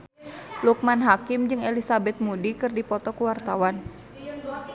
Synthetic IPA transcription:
luk̚manɦakimd͡ʒɨŋelisabɛt̪̚mudikɨrdipɔt̪ɔkuwart̪awan

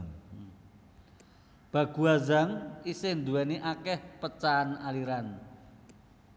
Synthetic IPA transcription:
b̥a̤ɡ̥ṳazaŋisɪnd̪uɛniʔakɛhpət͡ʃanaliɾan

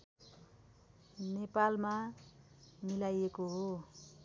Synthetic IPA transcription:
nepalma | milajekoɦo

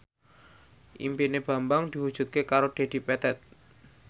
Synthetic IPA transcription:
ʔḭmpineb̥a̤mbaŋd̪̥i̤wud̥ʒ̥ṳt̪̚kekaɾod̥e̤d̪̥i̤pɛt̪ɛt̪̚

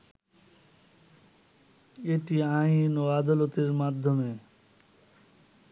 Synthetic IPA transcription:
eʈiainoad̪alot̪eɾmad̪ʱːome

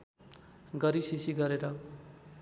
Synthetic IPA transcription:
ɡʌɾisisiɡʌɾeɾʌ

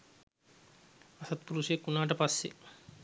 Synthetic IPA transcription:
asɐt̪̚puɾuʃekunaːʈ̬ɐpasːḛ

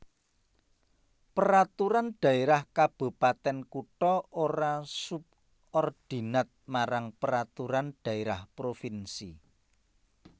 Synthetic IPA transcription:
pəɾat̪uɾanɖ̪̥ä̤eɾahkab̥ṳpat̪ɛnkuʈɔʔoɾasup̚ | ɔrd̪̥i̤nat̪̚maɾaŋpəɾat̪uɾanɖ̪̥ä̤eɾahpɾofinsi

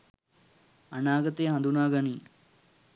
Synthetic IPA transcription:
ɐnaːɡɐt̪ejɦɐ̃nd̪unaːɡɐniː

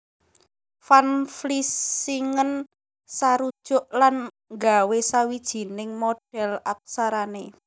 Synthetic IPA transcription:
fanflisiŋən | saɾud̥ʒ̥ʊ̤ʔlan | ŋɡa̤wesawid̥ʒ̥i̤nɪŋmoɖ̥ɛ̤lak̚saɾane

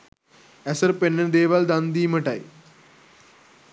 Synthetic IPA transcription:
ɛsəɾpenːəd̪eːʋald̪and̪iːməʈaj

